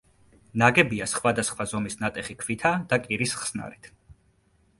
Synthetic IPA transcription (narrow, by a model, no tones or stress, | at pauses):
naɡɛbiasχwad̪asχwazɔmisnat̪ʼɛχikʰvit̪ʰad̪̥akʼiɾisχsna̰ɾit̪ʰ